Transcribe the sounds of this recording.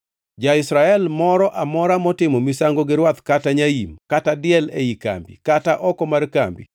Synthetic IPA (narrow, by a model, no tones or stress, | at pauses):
d͡ʒaɪsɾaɛlmɔɾɔʔamɔɾamɔtɪmɔmɪsaŋɡoɡɪɾwat̪kataɲaimkatadɪɛleika̰mbḭkataʔɔkɔmarka̰mbḭ